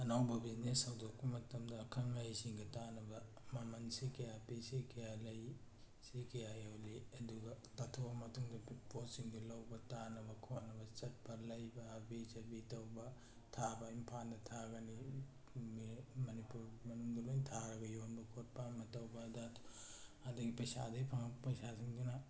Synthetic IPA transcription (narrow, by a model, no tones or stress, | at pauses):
ɐnawbɐbisnesɐwdok̚pɐmɐtɐmdɐːkʰɐŋlajsiŋɡitanɐbɐ | mɐmɐnsikɐjapisikɐjalɐj | sikɐjajoliɐduɡɐtatʰoɐmɐtʰuŋdɐpiposiŋɡilawbɐtanɐbɐkʰonɐbɐt͡ʃɐt̚pɐlɐjbabid͡ʒɐbitɐwba | tʰabaimpʰand̪ɐt̪ʰaɡɐni | mimɐnipuɾmɐnuŋd̪ɐlojnt̪ʰaɾɐɡɐjonbɐkʰot̚pamɐtɐwbad̪at̪u̥ad̪ɐɡipɐjsa̰d̪ɐjpʰaŋɐpɐjsasiŋɡuna